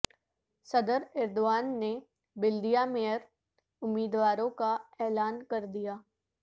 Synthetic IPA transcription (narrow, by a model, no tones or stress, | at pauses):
sɐd̪əɾɪɾd̪ʊʋaːnːe | bɪld̪ijamejəɾ | ʊmːiːd̪ʋaːɾõkaɛːlaːnkɐɾd̪ijaː